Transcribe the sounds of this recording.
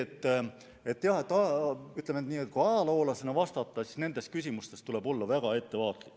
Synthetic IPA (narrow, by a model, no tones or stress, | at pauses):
et̪ː | e̞t̪ːˑjɑhet̪ːˑɑyt̪lemet̪niːet̪̚ːˑkuɑjɑlɑo̞ːlɑsenɑvɑst̪ɑt̪ˑːɑsisne̞nd̪̥e̞skysʲimust̪e̞st̪ule̞bo̞lːɑvæɡ̥ɑe̞t̪ːe̞vɑːt̪likː